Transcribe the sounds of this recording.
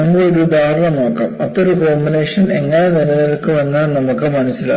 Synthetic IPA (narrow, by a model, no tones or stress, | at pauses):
ɐmːɐɭoɾud̪ʱaːɾɐɳɐmno̞ːkːa̰ːmɐpːo̞ɾukoːmbineːʂɐne̞ŋːɐnenɐnɐjɐlkːɨʋɐnːɐnɐmukːɨmɐɳɐt͡ɕːilːɐ̰